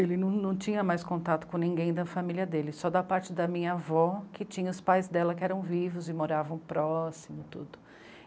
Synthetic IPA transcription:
elɪnɐ̃w̃nɐ̃w̃t͡ʃĩɲɐmajskõnt̪at̪ʊ̥kõnĩɡẽj̃d̪ɐfamiliɐd̪elɪsɔd̪ɐpaɾt͡ʃɪd̪ɐmĩɲɐavɔkɪt͡ʃĩɲɐʊspajzd̪ɛlɐkɪɛɾɐ̃w̃vivʊzɪmoɾavɐ̃w̃pɾɔsimʊt̪ud̪ʊ

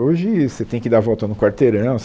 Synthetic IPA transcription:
oʒɪset̪ẽj̃kɪd̪avɔwt̪ɐnʊkwaɾt̪eɾɐ̃w̃s

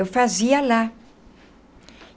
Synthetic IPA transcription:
ewfaziala

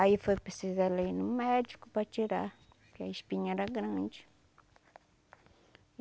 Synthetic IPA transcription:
aifojpɾesizalejnʊmɛd͡ʒikʊpɾɐt͡ʃiɾa | kɪɐiʃpĩɲɛɾɐɡɾɐ̃d͡ʒɪ

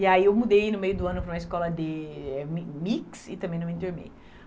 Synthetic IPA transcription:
iaiewmud̪ejnʊmejʊd̪ʊɐ̃nʊpɾm̃ɐɪskɔlɐd̪ɪɛmmiksɪt̪ɐ̃mẽnɐ̃ĩnt̪uɾmḛj

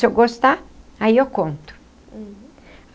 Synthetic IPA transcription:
ewɡost̪aaiewkõnt̪ʊ̥

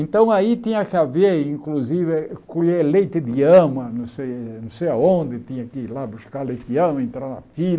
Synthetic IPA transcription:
ẽnt̪ɐ̃w̃ait̪ĩɲɐkɪaveĩŋkluzivɪkoʎelejt̪ɪd̪iɐ̃mɐnɐ̃w̃sejnɐ̃w̃sejaõnd̪ɪt̪ĩɲɐkɪlabuskaɾlejt̪ɪd̪ɐ̃mɐẽnt̪ɾaɾnɐ̰fil

